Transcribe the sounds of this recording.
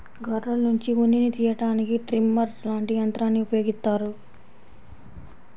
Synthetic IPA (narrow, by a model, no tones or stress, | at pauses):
ɡʱɐɾːɐlnuɲt͡ʃiʋuninit̪iːjɐʈaːnikiʈɾimːɐɾlaːɳʈijɐnt̪ɾaːnːiupɐjo̞ːɡist̪aːɾu